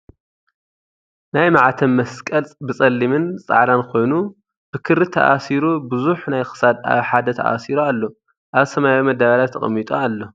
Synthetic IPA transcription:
najmaʕat̪ʰɐmːɐskʼɐlt͡sʼbɨt͡sʼɐlːimɨnt͡sʼa̰ʕlankʰo̞jnu | b̥ɨkʰɨɾɨt̪ʰɐ̰ʔa̰siɾubɨzuħnajxɨ̥sad̪a̰βħad̪ɐt̪ʰɐ̰ʔa̰siɾoalːo | ʔaβsɐmajomɐd̪aβalat̪ʰːɐχʼɐ̰mːit̪ʼoalːo̞

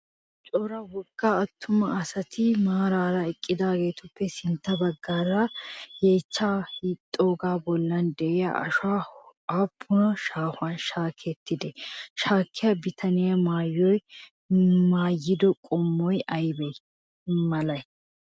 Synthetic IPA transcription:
t͡ʃʼɔɾɐwɔkːaːt̪ʰːʊmɐɐsɐt̪ʰɪmaːɾaːɾɐɛkʼːɪd̪aːɡe̞ːt̪ʊpːɛsɪnt̪ːɐbɐɡːaːɾajeːt͡ʃːaːhɪt̪ʼːoːɡaːbɔlːɐnd̪ɛʔɛjɐ̰ʃa | aːpʰːʊnɐʃaːhʊɐnʃaːkʰɛt̪ːɪd̪ɛʃaːkʰːɪjɐbɪt̪ʰɐnɪjɐmaːjːɔj | maːjːɪd̪ɔkʼɔmːɔjɐjbɛj | mɐlɐj

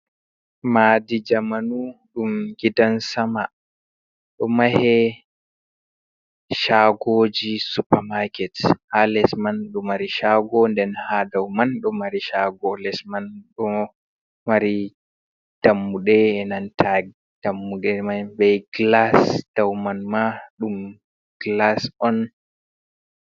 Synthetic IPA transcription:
maːdid͡ʒamanuɗumɡidansama | ɗɔmahɛ | ʃaɡod͡ʒisupamakɛthalɛsmanɗɔmaɾiʃaɡɔndɛnhadawmanɗɔmaɾiʃaɡɔlɛsmanɗɔ | maɾi | d̥amːuɗɛɛnantʰaɡ | d̥amːuɗɛmabɛjɡlasd̥awmanmaɗum | ɡ̥lasɔn

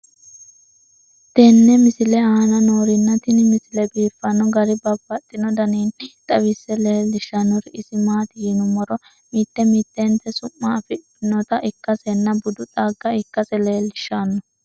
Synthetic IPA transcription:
t̪ɛnːɛmɪsɪlɛaːnɐnoːɾɪnːɐt̪ɪnɪmɪsɪlɛbiːfːɐnɔɡɐɾɪbɐbːɐt̪ʼːɪnɔd̪ɐniːnt̪ʼɐwɪsːɛleːlːɪʃːɐnːɔɾɪʔɪsɪmaːt̪ɪjiːnʊmɔɾɔ | miːt̪ːɛmiːt̪ːent̪ɛsʊmːɐːfɪtː | ɪnɔt̪ɐʔɪkːɐsɛnːɐbʊd̪ʊt̪ʼaːɡːɐɪkːɐsɛleːlːɪʃːanːɔ

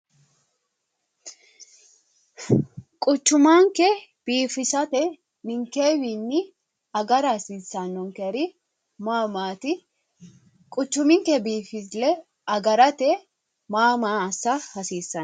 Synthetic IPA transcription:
kʼʊt͡ʃːʊmaːŋkɛ | b̥iːfɪsɐt̪ɛ | nɪŋkeːwinːɪ | ɐɡɐɾɐhɐsiːsːɐnːɔŋkɛɾɪ | maːmaːt̪ɪ | kʼʊt͡ʃːʊmɪŋkɛbiːfɪslɛ | ɐɡɐɾɐt̪ɛ | maːmaːɐsːɐhɐsiːsːɐn

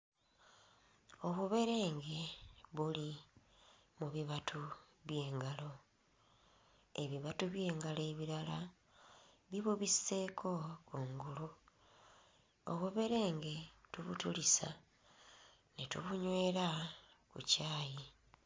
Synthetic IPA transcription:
o̞βuβe̞ɾe̞ːŋɡe̞βuli | muβiβatʰu | βje̞ːŋɡalo̞ | e̞βiβatuβje̞ːŋɡaleβiɾala | βiβuβisse̞kʰo̞kuːŋɡulu | o̰βuβe̞ɾe̞ːŋɡe̞tuβutulisa | netṵβuɲwe̞ːɾa | kṵcaːji

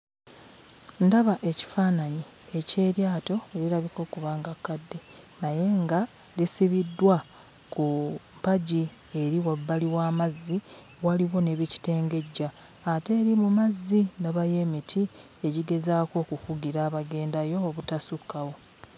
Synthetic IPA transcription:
ndaβaʔe̞ci̥faːnaɲi | e̞ce̞ːɾjaːto̞e̞ɾilaβiko̞ːkuβaːŋɡakːadːe̞ | naje̞ŋɡa | lisiβidːwa | kumpaɟi | e̞ɾiwabːaliwaːmazːi | waliwo̞ne̞βici̥te̞ːŋɡe̞ɟːaː | te̞ːɾimumazːindaβaje̞ːmitʰi | e̞ɟiɡe̞zaːko̞ːkufuɡiɾaːβaɡe̞ːndajo̞ːβutasukːawo̞

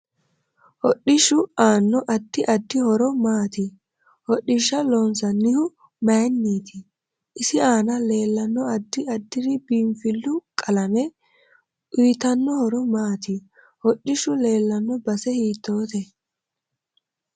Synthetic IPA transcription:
hɔɗːɪʃʊaːnːɔʔɐd̪ːɪʔɐd̪ːɪhɔɾɔmaːt̪ɪ | hɔɗɪʃːɐlɔnsɐnːɪhʊ | majnːiːt̪ɪ | ʔɪsɪaːnɐle̞ːlːɐnːɔɐd̪ːɪɐd̪ːɪɾɪbiːmfɪlːʊkʼɐlɐmɛ | ʔiːt̪ɐnːɔhɔɾɔmaːt̪ɪ | hɔɗːɪʃʊle̞ːlːɐnːɔbɐsɛhiːt̪ːo̞ːt̪ɛ

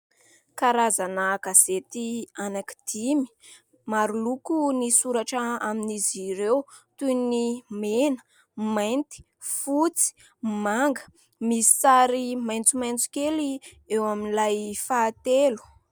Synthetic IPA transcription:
kaɾazanaɡazet̪ianaki̥d̪̥imi̥ | maɾulukunisuɾaʈ͡ʂaaminiziɾewt̪unimenə̥ | majnt̪i̥ | fut͡si̥ | maŋɡə̥ | misi̥t͡saɾimajnt͡sumajnt͡si̥keli | ewaminilajfaːt̪elu̥

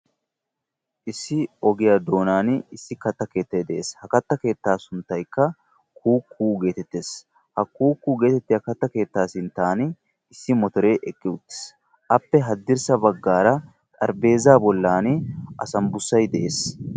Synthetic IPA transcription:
ʔɪsːɪɔɡɪjaːd̪o̞ːnaːnɪsːɪkɐt̪ːɐke̞ːt̪ːɐjd̪ɛʔeːshɐkɐt̪ːɐke̞ːt̪ːaːsʊnt̪ːɐjkːɐ | kʰuːkʰːuːɡe̞ːt̪ɛt̪ːeːs | hɐkuːkːuːɡe̞ːt̪ɛt̪ːɪjɐkɐt̪ːɐke̞ːt̪ːaːsɪnt̪ːaːn | ɪsːɪmɔt̪ɔɾe̞ːʔɛkʼːɪʊt̪ːɪ̥s | ʔɐpːɛɦɐd̪ːɪɾsɐbɐɡːaːɾɐ | t̪ʼɐɾbe̞ːzaːbɔlːaːnʔɐsɐmbʊsːɐjd̪ɛʔe̞ːs

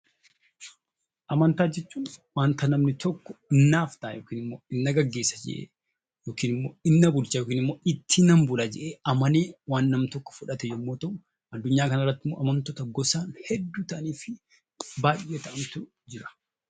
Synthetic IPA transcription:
ʔɐmɐnt̪aːd͡ʒɛt͡ʃːuːnwaːnt̪ɐnɐmnɪt̪ʰɔkːɔ̥ɪnːaːft̪ɐːjoːkiːnɪmːoːɪnːɐɡɐɡːeːsːɐd͡ʒɛ̰ʔḛː | joːkiːnɪmːoːɪnːɐbʊlt͡ʃaːjoːkiːnɪmːoːɪt̪ʰːɪnɐmbʊlad͡ʒɛʔeːɐmɐneːwaːnːɐmt̪ɔkːɔ̥fʊᶑɐt̪ɛjɛmːoːt̪ɐʊ | ɐd̪ːʊɲːaːkɐnɐrːɐt̪ːɪmːo̰ːʔɐmɐnt̪ɔt̪ɐɡɔsaːnhɛd̪ːuːt̪ɐʔɐniːfɪ | baːjet̪ɐʔɐmt̪ʊ | d͡ʒɪɾɐ̥

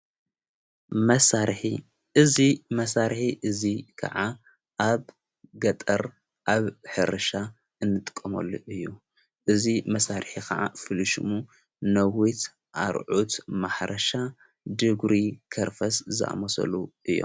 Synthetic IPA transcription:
mɐsaɾħi | ʔɨzimɐsaɾħiʔɨzikʰɐ̰ʕa | ʔaβ | ɡɐt̪ʼɐɾ | ʔaβħɨɾɐʃa | ɨnːɨt̪ʼɨ̥kʼːɐmɐ̰lːuʔɨjːu | ʔɨzimɐsaɾħikʰɐʕa̰fɨlɨʃɨmu | nɐwit̪ | ʔa̰ɾʕut̪maħɾʔɐʃa | d̪ɨɡɾikʰɐɾfɐszɨʔa̰mɐsɐ̰luʔɨjːo̰m

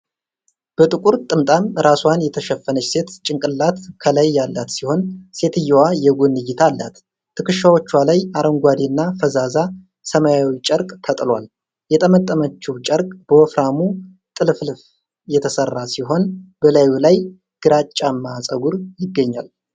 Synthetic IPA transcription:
b̥ət̪ʼɨkʼuɾt̪ʼɨmt̪ʼamɾʔaswanjɛt̪ʰəʃɛfːənət͡ʃse̞t̪t͡ʃʼɪŋkʼɨlːat̪kʰəlajːalːat̪siho̞nse̞t̪ʰɨjːwajɛɡunːɨjːɪt̪ʰalːa̰t̪ | t̪ʰːɨkɨʃːawot͡ʃːwalajaɾəŋɡʷad̪iɨnːafəzaza | səmajawit͡ʃʼəɾkʼt̪ʰət̪ʼlwa̰l | jɛt̪ʼəmət̪ʼːəmət͡ʃːɛwt͡ʃʼəɾkʼb̥əwɔfɾamu | t̪ʼɨlflf | jɛt̪ʰəsərːasiɦo̞nb̥əlajulaj | ɡ̥ɨɾat͡ʃʼːamːaːsʼəɡuɾjɪɡːəɲːal

